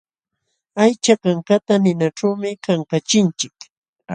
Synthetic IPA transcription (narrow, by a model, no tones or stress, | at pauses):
ajt͡ʃakaŋkat̪anɪnaʈ͡ʂawmɪkaŋkat͡ʃɪnt͡ʃɪk